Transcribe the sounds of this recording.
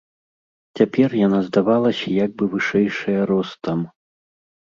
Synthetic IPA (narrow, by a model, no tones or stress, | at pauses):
t͡sʲapʲɛrjanazd̪avalˠɐsʲɐjaɡ̚bɨvɨʂɛjʂɐjɐɾɔst̪ɐm